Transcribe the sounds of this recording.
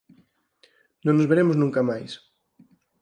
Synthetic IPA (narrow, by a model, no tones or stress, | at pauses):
nõŋnozβeɾemʊznũŋkamajs